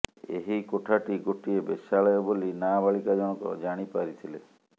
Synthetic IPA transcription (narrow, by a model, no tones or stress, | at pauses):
ḛɦikoʈʰaʈiɡoʈiebesaɭɔjɔbolinabaɭikad͡ʒɔɽ̃ɔkɔ̰d͡ʒaɽ̃ipaɾit̪ʰile